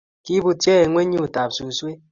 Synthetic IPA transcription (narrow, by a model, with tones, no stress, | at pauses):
ki˦bu˨tjɛ˦e˨ŋʷe˦ɲi˦u˨ta˨p̚su˨swe˦